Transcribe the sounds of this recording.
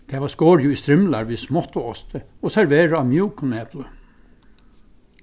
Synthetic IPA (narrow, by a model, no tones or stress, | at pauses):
d̪̥ʰeːʋɑːskoːɾjuist̪ɾɪmlaɾʋiːsmɔt̪ʊɔst̪ʰə | oːsæɹʋeːɹəɑmjuːkʊneːplə